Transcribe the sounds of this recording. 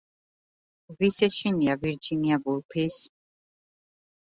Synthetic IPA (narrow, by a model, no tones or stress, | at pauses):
visɛʃiniaviɾd͡ʒiniabulpʰis